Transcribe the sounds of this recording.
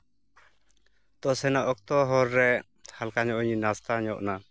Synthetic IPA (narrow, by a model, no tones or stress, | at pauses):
t̪ɔsɛnɔʔɔk̚t̪ɔɦɔɾːɛ | halkaɲɔʔɔɲinast̪aɲɔʔna